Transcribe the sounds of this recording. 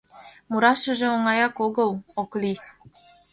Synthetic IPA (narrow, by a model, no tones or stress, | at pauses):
muɾɑʃə̆ʒĕoŋɑjɑkoɣə̆lokli